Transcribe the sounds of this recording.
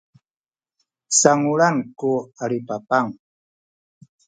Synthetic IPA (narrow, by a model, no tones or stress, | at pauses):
saŋuɭankuaɾipapaŋ